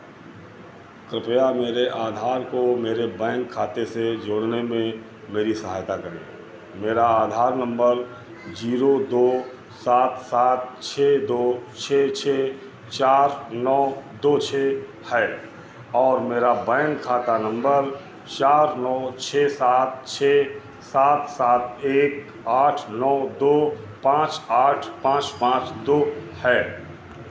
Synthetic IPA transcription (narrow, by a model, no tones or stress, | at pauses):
kɾɪpjameːɾeʔaːd̪ʱaːɾkomeːɾebɛːnkʰaːt̪esed͡ʒoːɽnemẽ | meːɾisəɦaːjt̪akəɾḛ̃ː | meːɾaaːd̪ʱaːɾnə̃mbəɾ | d͡ʒiːɾod̪oː | saːt̪saːt̪̚t͡ʃʰeːd̪oːt͡ʃʰeːt͡ʃʰeː | t͡ʃaːɾnɔːd̪oːt͡ʃʰeː | hɛː | ɔːɾmeːɾabɛːnkʰaːt̪anə̃mbəɾ | t͡ʃaːɾnɔːt͡ʃʰeːsaːt̪̚t͡ʃʰeː | saːt̪saːt̪̚ʰeːk | aːʈʰnɔːd̪oː | pãːt͡ʃaːʈʰpãːt͡ʃpãːt͡ʃd̪oːhɛː